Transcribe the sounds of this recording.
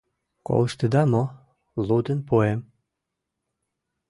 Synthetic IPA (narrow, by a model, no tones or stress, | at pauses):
ko̰ləʃt̪əd̪ɑmo | lud̪ənpuem